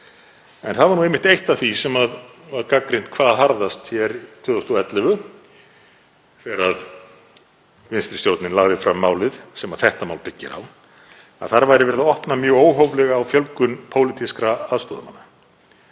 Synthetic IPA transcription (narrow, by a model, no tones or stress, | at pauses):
ɛnθaðvaɾnuejmɪht̪ejht̪aθisɛmaðvaɾkakɾɪn̥t̪kʰvaːðaɦaɾðast̪çjɛɾt̪ʰvʏːðɔst̪uɛt̪lɛvʏ | θɛɾað | vɪnst̪ɾɪ̥st̪jowt̪nɪnlaɣðɪfɾamːaːwlɪðsɛmaðθɛht̪amaːwlpɪcːɪ̰ɾa̰w | a̰ðθaɾvajɾɪvɛːɾðaɔhpnamjœːɣoːwɦowvlɛɣaːwfjœlkʏnpʰowlɪt̪ʰiskɾaaðst̪ɔːðamanːa